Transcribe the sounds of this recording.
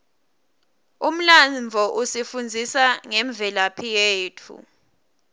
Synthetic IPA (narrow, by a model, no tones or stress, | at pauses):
um̩lavʱɔʔusifund͡zʱisaŋɛɱb̪vʱɛlapʰijeːtʰṵ